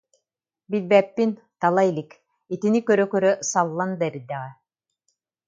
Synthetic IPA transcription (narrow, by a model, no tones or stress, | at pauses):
bilbɛːpːin | t̪alˠailik | it̪inikœɾœkœɾœsalˠːand̪aiɾid̪ːɛʁɛ